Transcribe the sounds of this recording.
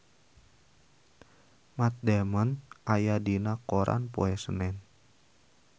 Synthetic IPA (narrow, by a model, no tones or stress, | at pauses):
mat̪̚damanʔajadinakoɾʔa̰npoɛsənɛn